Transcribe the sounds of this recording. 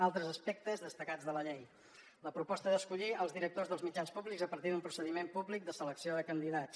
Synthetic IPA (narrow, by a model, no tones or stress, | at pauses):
alˠt̪ɾəzəspɛk̚t̪əzðəst̪əkad͡zðələʎej | ləpɾupɔst̪əðəskuʎiəlˠzðiɾək̚t̪ozðəlˠzmid͡ʒanspuβlikzəpəɾt̪iðumpɾu̥səðimempuβlik̚d̪əsələksioðəkənd̪iðat͡s